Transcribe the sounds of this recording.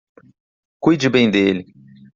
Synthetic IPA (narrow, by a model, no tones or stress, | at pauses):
kujd͡ʒɪbẽj̃d̪elɪ